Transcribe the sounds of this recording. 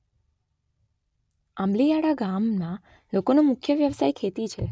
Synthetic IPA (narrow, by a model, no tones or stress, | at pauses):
amlijaɽaɡammã | lokonomʊkʰjəʋjəʋsajkʰet̪it͡ʃʰe